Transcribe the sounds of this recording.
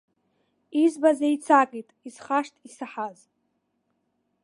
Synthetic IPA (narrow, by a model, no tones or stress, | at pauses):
izbazait͡sʰakʼitʼisχaʂtʰʼisaħaz